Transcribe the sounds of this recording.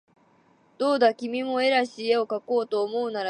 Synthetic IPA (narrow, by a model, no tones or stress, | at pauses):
d̪̥o̞ːd̪akʲimʲimo̞e̞ɾaɕie̞o̞kako̞ːt̪o̞ːmo̞ɯnaɾa